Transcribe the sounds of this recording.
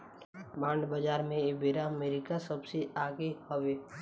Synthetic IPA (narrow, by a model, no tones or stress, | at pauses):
bãːɳɖbəd͡ʒaːɾmẽebeːɾameːɾɪkasɐbseaːɡehoweː